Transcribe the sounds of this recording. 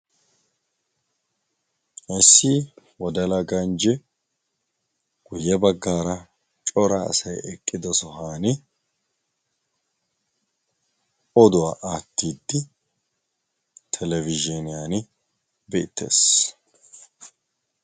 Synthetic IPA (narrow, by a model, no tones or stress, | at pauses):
ʔɛsːiː | wɔd̪ɐlɐɡɐnd͡ʒɛ | ɡ̥ʊjːɛbɐɡːaːɾɐ | t͡ʃʼɔɾɐ̰ːsɐjɛkʼːɪd̪ɔsɔɦaːnɪ | ɔd̪ʊwaːʔaːt̪ːiːd̪ːɪ | t̪ʰɛlɛvɪd͡ʒɛnɪjaːnɪ | bḛːt̪ːḛːs